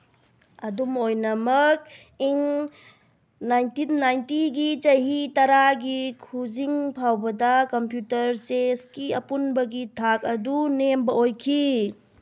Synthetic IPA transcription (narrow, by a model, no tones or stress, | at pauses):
ɐdumojnɐmɐk̚ | iŋ | najntinːajntiɡit͡ʃɐjɦitɐɾaɡikʰuziŋpʰawbɐdɐkɐmpjutɐɾseskiɐpunbɐɡitʰak̚ɐdunembɐojkʰi